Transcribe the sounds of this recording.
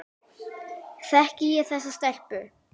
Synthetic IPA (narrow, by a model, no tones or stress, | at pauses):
θɛhcɪjɛθɛsːast̪ɛr̥pʏ